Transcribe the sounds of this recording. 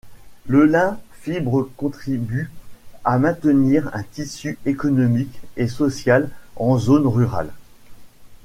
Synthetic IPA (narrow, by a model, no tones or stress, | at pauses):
ləlɛ̃fibʁəkɔ̃t̪χibyamɛ̃t̪əniʁɛ̰̃t̪isyekɔnɔmikesɔsjalɑ̃zonʁyʁa̰l